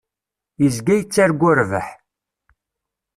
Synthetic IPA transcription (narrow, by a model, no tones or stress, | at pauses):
jəzɡæjət͡sːaɾɡʷːʊɾvə̰ħ